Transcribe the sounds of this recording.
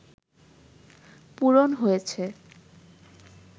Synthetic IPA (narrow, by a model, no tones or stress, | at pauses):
puɾonɦojet͡ɕʰe